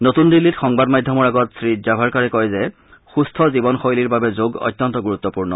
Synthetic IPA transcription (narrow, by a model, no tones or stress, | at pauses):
notundilːitxɔŋbadmajdʱɔmɔɹaɡɔtsɹid͡ʒabʱaɹkaɹɛkɔjzɛ | xustʰɔzibɔnxojliɹbabɛzoɡɔ̰jtːjɔntɔɡuɹut̪ːɔpuɹnɔ̰